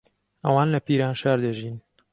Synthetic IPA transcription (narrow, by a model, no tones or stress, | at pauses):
ʔɐwaːnlɐpiːɾaːnʃaːɾd̪ɐʒiːn